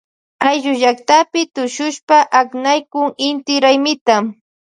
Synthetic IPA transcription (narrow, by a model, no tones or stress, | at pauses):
ajʒʊʒak̚t̪apɪt̪ʊʃʊʃpaʔaknajkʊŋɪnt̪ɪɾajmɪt̪am